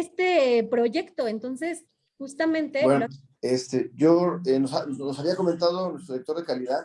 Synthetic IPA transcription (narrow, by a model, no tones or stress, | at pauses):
est̪epɾo̞ʝe̞kt̪o̞ent̪o̞nse̞s | xust̪amẽ̞nt̪e̞wen | est̪eʝoenosanosaβiako̞ment̪að̞onwest̪ɾolek̚t̪o̞ɾðe̞kaliðað